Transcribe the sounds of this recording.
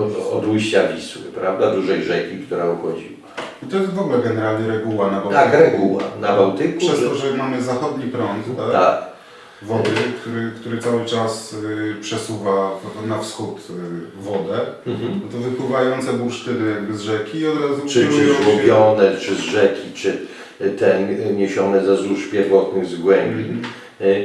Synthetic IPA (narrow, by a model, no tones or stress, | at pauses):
ɔd̪ujɕt͡ɕavʲiswɪ̰pɾavd̪ad̪uʐɛjʐɛkʲikt̪uɾɛuxɔd͡ʑḭwait̪ɔjɛst̪vɔɡulɛɡɛnɛɾalɲɛɾɛɡuwanabawt̪akɾɛɡuwa̰nabawt̪ɘkʂuʂɛst̪ɔʐɛmamɘzaxɔd̪ɲipɾɔnt̪t̪ak | vɔd̪ɘkt̪uɾɘkt̪uɾɛt̪sawɘt͡ʂaspʂɛsuvanafsxut̪vɔd̪ɛt̪ɔvɘpwɘvajɔnt̪sɛbuɾʂt̪ɘɾɘjaɡbɘzʐɛkʲiːɔd̪ɾazuɛɾɛɡubʲjɔnɛt͡ʂɘzʐɛkʲit͡ʂɘ | t̪ɛɲeɕɔnɛzazuʂpʲjɛɾvɔt̪nɘɣzɡwɛmbbʲi